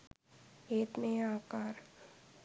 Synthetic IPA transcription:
eːt̪mẽaːkaːɾ

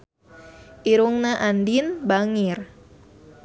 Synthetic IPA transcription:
ʔiɾuŋnaʔandinbaŋir

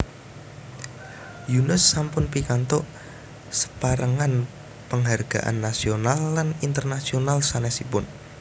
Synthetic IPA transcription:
junʊsːampʊnpikant̪ɔʔ | sə̥paɾəŋan | pəŋɦarɡ̥a̰ʔa̰nːasionalːanint̪ərnasionalsanɛsipʊn

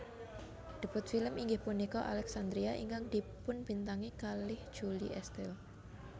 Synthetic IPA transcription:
ɖ̪̥ə̤pʊt̪̚filəmiŋɡɪhpunikɔʔalɛksand̪ɾiaʔḭŋkaŋd̪̥ipʊnb̥int̪aŋikalɪhd̥ʒ̥uliʔɛst̪ɛl

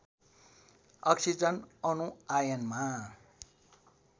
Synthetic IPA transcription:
ʌksid͡zʌnʌnuajʌnma

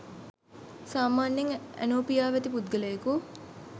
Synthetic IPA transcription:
saːmaːnːeŋæ̰noːpijaːʋæt̪ipud̪̚ɡələjeku

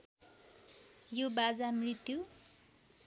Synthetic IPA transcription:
jobad͡zamrit̪ju

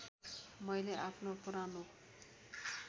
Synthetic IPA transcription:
mʌjleʔapʰnopuɾano

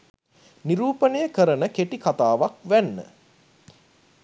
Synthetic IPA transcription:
niɾuːpənejəkəɾənəkeʈikat̪aːʋakʋænːə̰

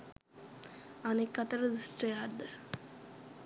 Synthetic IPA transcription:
anekːat̪əɾəd̪usʈrəjaɾd̪ə

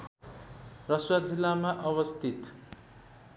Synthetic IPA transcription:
rʌswad͡zilːamaʔʌbʌst̪ʰit̪

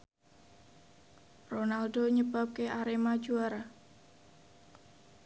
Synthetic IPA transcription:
ronalɖoɲəb̥a̤p̚keʔaɾemad̥d͡ʒuaɾa

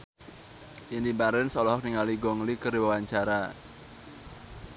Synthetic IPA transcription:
ʔindimbaɾɪnsɔlɔhɔk̚niŋaliɡɔŋlikəriwawaɲt͡ʃaɾa

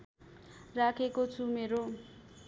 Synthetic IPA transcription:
rakʰekot͡sʰumeɾo

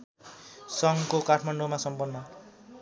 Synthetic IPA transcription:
sʌŋkokaʈʰmaɳɖomasʌmpʌnːʌ

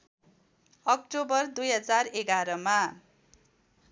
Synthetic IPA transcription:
ʌkʈobʌrd̪ujɦʌd͡zareɡaɾʌma

